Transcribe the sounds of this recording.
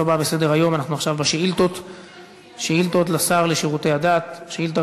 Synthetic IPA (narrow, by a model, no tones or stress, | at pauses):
obabese̞d̪eʁajo̞manaχnuaχʃavbaʃeilt̪ot̪ | ʃeilt̪ot̪lasaʁleʃiʁut̪e̞jhad̪at̪ʃeilt̪̬a